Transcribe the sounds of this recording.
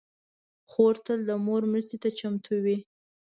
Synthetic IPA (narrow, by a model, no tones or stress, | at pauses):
xoɾt̪əld̪əmoɾmɾəst̪et̪at͡ʃamt̪ʰuwi